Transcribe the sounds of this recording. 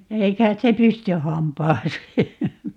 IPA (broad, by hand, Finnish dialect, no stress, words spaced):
ei kɑit se pysty hɑmpɑːseː